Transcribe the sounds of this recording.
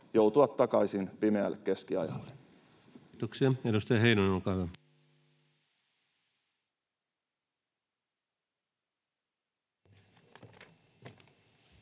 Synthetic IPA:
jouwt̪uɑt̪ːɑkɑisinpimeæ̰lːekkːe̞skiɑjɑ̰lːe | t̪oksiɑedust̪ɑjɑɦeinonenolkɑːhyʋæ

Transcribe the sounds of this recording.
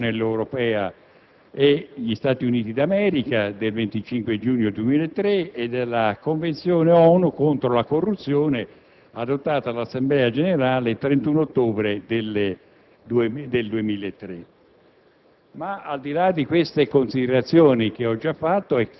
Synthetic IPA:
nɛlːewɾopɛːa | eʎist̪aːt̪iuniːt̪id̪amɛːɾikad̪elvent̪it͡ʃiŋkwed͡ʒuːɲjod̪uemiːleet̪ːɾeed̪elːakoɱvent̪sjoːneɔnukont̪ɾolakorːut̪sːjoːne | ad̪ot̪ːaːt̪alːasːemblɛːad͡ʒeneɾaːleilt̪ɾent̪unot̪ːoːbɾed̪el | d̪eld̪uemiːlet̪ːɾe | maald̪ilad̪ːikwest̪ekonsid̪eɾat̪sːjoːnik̟eɔd͡ʒafːat̪ːoɛ

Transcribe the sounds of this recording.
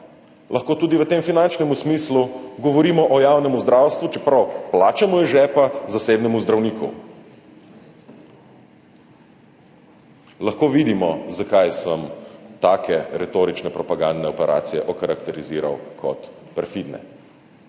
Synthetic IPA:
lɐxkoːt̪uːd̪iʋət̪eːmfinant͡ʃnɛmusmisluɡɔʋɔɾiːmɔʔɔjawnɛmuzd̪ɾawst̪ʋut͡ʃɛpɾawplaːt͡ʃamɔjɛʒɛpazasebnɛmuzd̪ɾawnikṵ | lɐxkoːʋid̪imɔzakajsəmt̪aːkʰɛɾɛt̪oːɾit͡ʃnɛpɾɔpaɡand̪nɛɔpɛɾʔa̰ːt̪sijɛʔɔkaɾakt̪ɛɾiziːɾa̰wkʰɔ̰t̪pɛɾfid̪nɛ̰

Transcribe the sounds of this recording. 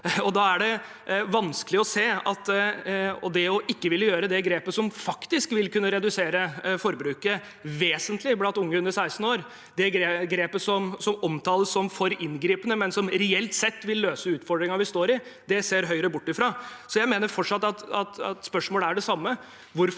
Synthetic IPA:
ɔd̪ɑæɖɛ | ʋɑnskəlɪɔseːɑt̪ | ɔ̰d̪ɛɔʔɪkːəʋɪlːəjøːɾəd̪ɛɡɾeːpəsɔmfɑkt̪ɪskʋɪlkʉnːəɾɛd̪ʉseːɾəfɔɾbɾʉːkə | ʋeːsənt̪ʰlɪblɑnt̪ʊŋːəhʉnd̪ɾəsæɪst̪n̩oːɾ | d̪ɛɡɡɾeːpəsɔmsɔmɔmt̪ʰɑːləsːɔmfɔɾɪnɡɾiːpənəmɛnsɔmɾɛɛlt̪sɛt̪ːʋɪlːøːsəʉːt̪fɔɖɾɪŋɑʋɪst̪oːɾɪd̪ɛseːɾɦœʏɾəbʊʈːɪfɾɑːsɔjæɪmeːnəɾfɔʈʂɑt̪ːɑt̪ɑt̪ɑt̪spœʂmoːləæɖɛsɑmːə | ʋʊɾ

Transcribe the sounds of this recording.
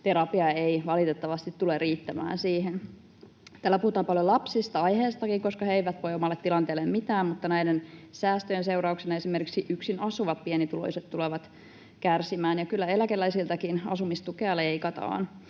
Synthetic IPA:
t̪eɾɑpiɑeiʋɑlit̪et̪ːɑʋɑst̪it̪tulerriːt̪ːæmæ̰ːnsiːɦen | t̪æːlæpuhut̪ɑːmpɑljolɑpsist̪ɑɑjheːst̪ɑkiŋkoskɑheiʋæt̪ʋojomɑlːet̪ːilɑnt̪eːlːemmit̪æːmmut̪ːɑnæidensæːst̪øjenseuɾɑuksinɑesimerkiksiʔyksinɑsuʋɑt̪̚pienit̪ulo̰iset̪t̪uleʋɑt̪ | kærsimæːnjɑkylːæelækelːæisilt̪ækinɑ̰sumist̪ukeɑleikɑt̪ɑ̰ːn

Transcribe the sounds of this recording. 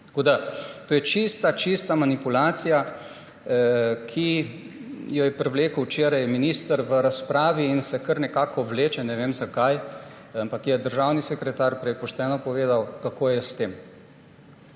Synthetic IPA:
tt̪koːd̪at̪oːjɛt͡ʃist̪at͡ʃist̪amanipulaːt̪sija | kʰi | jɔjɛpɾɛwleːkəwt͡ʃeːɾajminist̪əɾʋəɾaspɾaːʋiːnsɛkəɾnɛkaːkɔʋleːt͡ʃɛnɛʋemzakaj | ampakjɛd̪əɾʒaːwnisɛkɾɛt̪aːɾpɾɛjpɔʃt̪ɛːnɔpɔʋeːd̪awkakoːjɛst̪eːm

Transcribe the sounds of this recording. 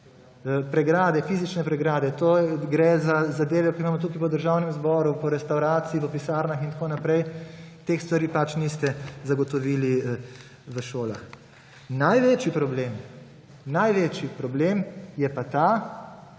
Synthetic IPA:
pɾɛɡɾaːd̪ɛfiːzit͡ʃnɛpɾɛɡɾaːd̪ɛt̪oɡɾɛzazad̪eːʋɛkɔimaːmɔt̪ukipɔd̪əɾʒaːwnɛmzbɔːɾupɔɾɛst̪awɾaːt̪siːpɔpisaːɾnaxint̪akoːnapɾɛjt̪eːxst̪ʋaɾiːpat͡ʃnist̪ɛzaɡɔt̪ɔʋiːli | ʋəʃoːla̰x | najʋeːt͡ʃipɾɔbleːm | najʋeːt͡ʃipɾɔbleːmjɛpat̪aː

